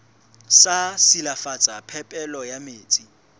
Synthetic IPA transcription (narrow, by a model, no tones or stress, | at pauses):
sasilafat͡sʼapʰɛpʼɛlɔjameːt͡sʼi